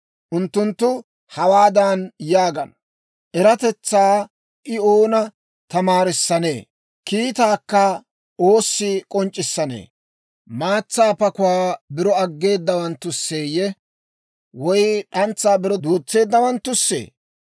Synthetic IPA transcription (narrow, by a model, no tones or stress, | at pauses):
ʔʊnt̪ːʊnt̪ːʊ | hɐwaːd̪ɐnjaːɡɐnɐ | ʔɛɾɐt̪ɛt͡sːaː | ʔɪoːnɐ | t̪ɐmaːɾɪsːɐne̞̰ː | kiːt̪aːkːɐ | ʔo̞ːsːɪkʼɔnt͡ʃʼːɪsːɐnḛː | maːt͡sːaːpɐkʊaːbɪɾɔɐɡːe̞ːd̪ːɐwɐnt̪ːʊsːe̞ːjɛ | wɔjɗɐnt͡sːaːbɪɾɔd̪uːt͡sːe̞ːd̪ːɐwɐnt̪ːʊsːḛː